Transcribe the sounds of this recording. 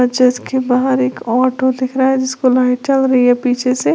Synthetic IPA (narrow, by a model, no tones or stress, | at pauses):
əd͡ʒɪd̪kebaɦəɾeːkɔːʈod̪ɪkʰɾaaɛd͡ʒɪskolaːɪt͡ʃɐlɾɐɦiɦɛpiːt͡ʃʰese